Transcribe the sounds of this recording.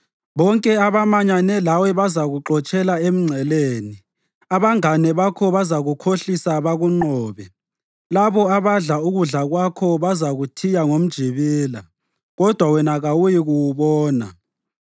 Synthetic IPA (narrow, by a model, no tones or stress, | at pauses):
βɔŋkʼɛaβamaɲanɛlawɛβazaɣuǃɔt͡ʃʼɛlaem̩ŋ͡ǀʱɛleːni | aβaŋanɛβakʰɔβazaɣukʰoɬisaβaɣuŋ͡ǃɔːβɛ | laβɔaβaɮauɣuɮaɣwakʰɔβazaɣutʰijaŋom̩d̥ʒ̥ʱiβiːla | ɣɔd̥ʱwawɛnaɣawujiɣuwuβɔːna̰